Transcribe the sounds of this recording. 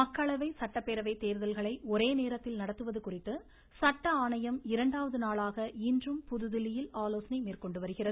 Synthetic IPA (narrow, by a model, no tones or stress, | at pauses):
mɐkːɐɭɐʋɐɪsɐʈːɐpːeɾɐʋɐɪt̪eːɾɯðɐlɣɐɭɐɪɔɾeːneːɾɐt̪ːɪlnɐɽɐt̪ːɯʋɐðɯkʊrɪt̪ːɯ | sɐʈːɐaːɳɐjɐmɪɾɐɳɖaːʋɐðɯnaːlaːɣɐɪndrɯmpʊðɯðɪlɪjɪlaːloːsɐnɐɪmeːrkɔɳɖɯʋɐɾɯɣɪrɐðɯ